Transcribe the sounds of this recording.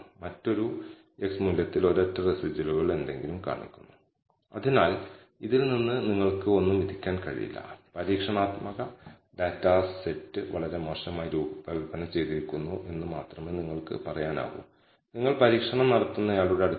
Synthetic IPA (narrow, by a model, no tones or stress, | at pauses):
mɐtːo̞ɾu | e̞ksmuljɐt̪ːilo̞ɾɐtːɐresid͡ʑiluɣɐɭe̞nd̪e̞ŋɡilumka̰ːɳṵkʲːu̥nːu | ɐ̰ðinaːl | iðilninːɨniŋːɐɭkɨo̞nːumid̪ʱikʲːaːnkɐ̰ɻḭjḭlːɐ̰pɐɾiːkʂɐɳaːt̪mɐɣɐ | d̪aːtːaːssetːɨʋɐɭɐɾe̞mo̞ːʂɐmaːjiɾuːbɐʋibɐnɐmt͡ɕe̞jt̪iɾikʲːunːuʔe̞nːɨmaːt̪rɐmeːniŋːɐɭkɨ̰pɐrɐjaːna̰ːɣṵm | niŋːɐɭpɐɾiːkʂɐɳɐmnɐɽɐt̪ːunːɐjaːɭuɽeɐɽu